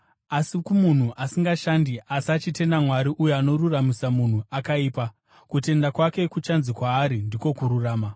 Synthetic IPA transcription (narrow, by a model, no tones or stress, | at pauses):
asikumun̤uʔasiŋɡaʃandiasiat͡ʃite̞ndamwaɾiʔujuano̞ruramisamun̤uakaiːpa | kute̞ndakwake̞kut͡ʃanzikwaːɾindiko̞kuɾuraːma